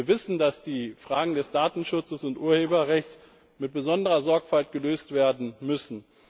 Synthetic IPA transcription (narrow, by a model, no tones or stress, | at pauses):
vɪsn̩dasd̥iːfʁ̥aːɡŋ̩dɛsd̥aːtn̩ʃʊt͡səsʊntʔuːɐheːbɐʁɛçt͡s | mɪt̚b̥əzɔndəʁɐzɔɐkfaltɡ̥əløːstv̥eːɐdn̩mʏsn̩